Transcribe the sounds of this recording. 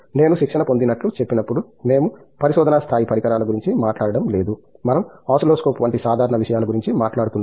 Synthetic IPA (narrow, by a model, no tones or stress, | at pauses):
ne̞ːnuʃikʂɐnɐpo̞nd̪inɐʈlut͡ʃe̞pːinɐpːuɽu | ne̞ːmu | pɐɾiʃɔːd̪ɐnast̪ʰaːjipɐɾikɐɾaːlɐɡuɾiɲt͡ʃimaːʈlaːɽɐɽɐmle̞ːd̪umɐnɐmaːsloːskoːpuʋɐɳʈisaːd̪ʱaːɾɐɳɐʋiʂɐjaːlɐɡuɾiɲt͡ʃimaːʈlaːɽut̪unː